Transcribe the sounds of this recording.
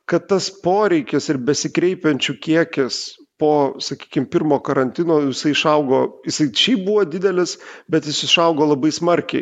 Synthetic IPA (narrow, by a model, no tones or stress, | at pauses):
kɐt̪t̪ːɐspoːɾʲɛɪkʲɪsɪɾbʲɛsʲɪkɾʲɛɪpʲɛnʲt͡ʃʲukʲiɛkʲɪspoːsɐkʲi̥ːkʲɪmpʲɪrmoːkɐɾɐnʲt̪ʲɪnoːjɪsɐɪɪʃɐʊɡoːjɪsɐɪʃʲɛɪbuʋod̪ʲɪd̪ʲɛlʲɪsbʲɛt̪jɪsɪʃɐʊɡoːlˠɐbɐɪsmɐɾʲkʲɛɪ